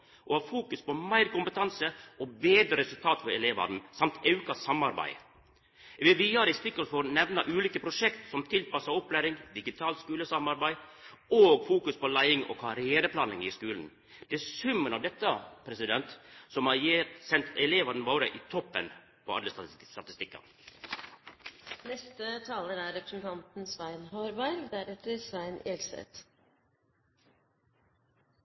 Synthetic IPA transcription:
ʔɔhɑːɾfuːkʉspɔmæɪɾkʊmpət̪ʰɑnsəɔbeːd̪ɾəɾɛsʉlt̪ʰɑːt̪fɔɾɛleːʋɑ̰d̪n̩sɑmt̪ʰɑʉkɑsɑmɑɾbæ̰ɪ | ʋɪʋiɑɾɪst̪ɪkːəlfɔɾnɛʋnɑʔʉːliːkəpʰɾʊʂɛkt̪sɔmt̪ʰɪlpɑsɑɔpːlæːɾɪŋd̪ɪɡɪt̪ʰɑːlt̪skʉːləsɑmɑɾbæɪoːɡfuːkʉspɔlæɪɪŋɔ̰kʰɑɾɪeːɾəpʰlɑːnɪŋɪskʉːln̩ | d̪̥ɛsʉmːənɑʋd̪ɛt̪ːəpʰɾɛsɪd̪ɛnt̪sɔmɑjesɛnt̪ʰɛleːʋɑd̪n̩ʋoːɾəʔɪːt̪ʰɔpːən | pʰɔɑ̰d̪əst̪ɑt̪ɪst̪ɪkːɑ̰ | nɛst̪ət̪ʰɑːləɾæɾɾɛpɾəsnt̪ʰɑnt̪n̩sʋæɪnhoɾbæɪɾd̪æɾɛt̪əɾsʋæɪnelsɛ̰t̪

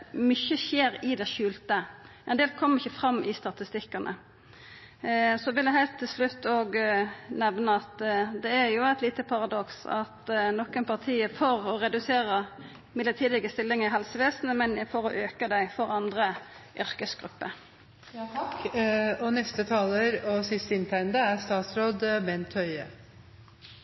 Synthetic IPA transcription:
mʏçːəçeːɾɪd̪ɛʃʉːlt̪əʔɛnd̪eːlkʰɔmːəɾɪçːəfɾɑmːɪst̪ɑt̪ɪst̪ɪkːɑnʔə̰ | sɔʋɪljəɦæɪlt̪ʰːɪlslʉt̪ːoːɡnɛʋnəɑt̪d̪ɛæɾjʊæɪt̪liːt̪əpʰɑɾɑd̪ɔksɑ̰t̪nɔkːənpʰɑʁt̪ʰiːəfɔɾɔɾɛd̪ʉseːɾə | mɪd̪ət̪ʰiːd̪ɪɡəst̪ɪlːɪŋɪɦɑlsəʋeːsnəmɛnjfɔɾɔʔøːkəd̪æɪfɔɾɑnd̪ɾə | ʔʏɾkəsɡɾʉpːə̰ | ɑkɔnɛst̪ət̪ʰɑːləɾɔsɪst̪əɪnt̪ʰæɪənd̪əæst̪ɑːt̪sɾoːd̪mɛnt̪ʰœʏə̰

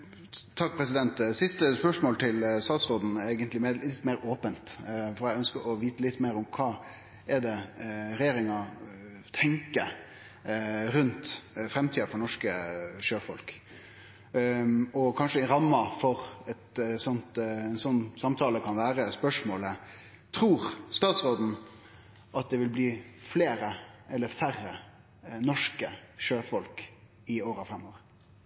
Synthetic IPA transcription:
t̪ʰɑkːpʰɾɛsɪd̪ɛnt̪sɪst̪əspœʂmoːlt̪ʰɪlsɑːsɾod̪n̩eɪɡənt̪lɪmɛlɪt̪ːmeːɾoːpənt̪fɔɾæɪœnskəɾɔʋiːt̪əlɪt̪ːmeːɾɔmkʰɑː | ɛɖ̪ɛɾɛjeːɾɪŋɑ | t̪ʰɛŋkə | ɾʉnt̪fɾɛmt̪ʰiːɑfɔɾɳɔʂkəʂøːfɔ̰lk | ɔkʰɑnʂəɪɾɑmːɑfɔɾɛt̪sɔnt̪ɛnsɔnːsɑmt̪ʰɑːləkʰɑnʋæːɾəspœʂmoːlə | t̪ʰɾuːɾst̪ɑːt̪sʁoːd̪n̩ | ʔɑt̪̚d̪ɛʋɪlbliːfleːɾəɛlːəɾfærːə | nɔʂkəʃøːfɔlk | ɪoːɾəɑʋfɾɛmːoːʋə

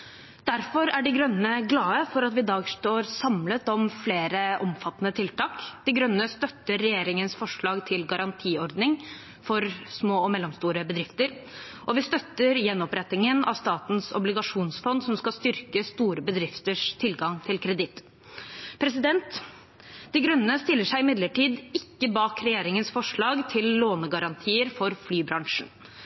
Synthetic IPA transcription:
d̪̥æɾfɔɾæɖɪɡɾœnːəɡlɑːəfɔɾɑt̪ʋɪd̪ɑːɡsʈ̪oːɾsɑmlət̪ɔmfleːɾəʔɔmfɑt̪ːənət̪ʰɪlt̪ʰɑːkd̪̥ɪɡɾœnːəst̪œt̪ːəɾːɛjeːɾɪŋənsfɔʂɭɑːɡt̪ʰɪlɡɑɾɑnt̪ʰiːɔɾd̪nɪŋ | fɔɾsmoːɔmɛlːɔmst̪uːɾəbəd̪ɾɪft̪əɾ | ʔɔʋɪst̪œt̪ːəɾjɛnːɔpɾɛt̪ːɪŋənɑ̰ʋst̪ɑːt̪n̩sɔ̰blɪɡɑʂuːnsfɔnd̪sɔmskɑst̪ʏɾkəst̪uːɾəbəd̪ɾɪft̪əʂt̪ʰɪlɡɑŋt̪ʰɪlkʰɾɛd̪ɪt̪ː | pʰɾɛs̬ɪd̪ɛnt̪ | d̪̥ɪɡɾœnnəst̪ɪlːəʂæɪɪmɪd̪ləʈiːd̪ɪkːəbɑːkɾɛjeːɾɪŋənsfɔʂɭɑːɡt̪ʰɪlːoːnəɡɑɾɑnt̪ʰiːəɾfɔɾflyːbɾɑŋʂɳ̩

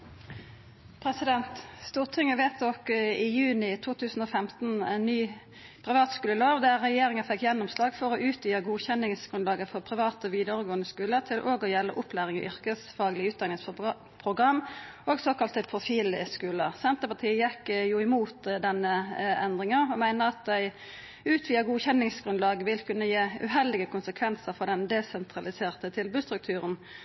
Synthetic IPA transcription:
pʰʁɛsɪd̪ɛnt̪st̪uːʁt̪ʰɪŋəʋeːt̪̚d̪ɔkɪjʉːnɪt̪ʰuːt̪ʰʉːsn̩oːfɛmt̪n̩ɛnːyː | pʰʁɪʋɑːt̪skʉːləlɑːʋd̪æʁʁɛjeːɾɪŋəfɛkːjɛnːɔmslɑːɡfɔʁɔʔʉːt̪jyːəɡuːçɛnːɪŋsɡ̥ʁʉnlɑːɡəfɔʁpʰʁɪʋɑːt̪ɔʋiːd̪əʁəɡoːənəskʉːlət̪ʰɪlʔoːɡɔjɛlːə̰ʔʊpʰlæːʁɪŋɔ̰ʔʏʁkəsfɑːɡlɪʉːt̪̚d̪ɑŋɪfɔ | pʰʁʊɡʁɑmː | oːɡsoːkɑlt̪əpʰʁʊfiːlskʉːləsɛnt̪əpɑʁt̪ʰiːəjɛkːjuɪmuːt̪d̪ɛnːəɛnd̪ʁɪŋəʁɔmæɪnəɑt̪̚d̪æɪ | ʉːt̪ʰʋiːəɡuːçɛnːɪŋsɡ̥ʁʉnlɑːɡəʋɪlkʰʉnːəjeːʉ̰ɦɛld̪ɪɡəkʰʊnsəkʰʋɛnsəɾfɔʁd̪ɛnd̪ɛsɛnt̪ʰʁɑlɪseːʁt̪ət̪ʰɪlbʉːst̪ɾʉk̚t̪ʰʉːʁən

